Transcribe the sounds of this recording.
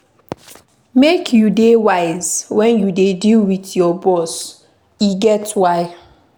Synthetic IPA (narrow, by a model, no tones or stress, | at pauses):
mekʰjudewaɪz̥wɛ̃njudedilwitjɔbɔs | iɡɛtwaɪ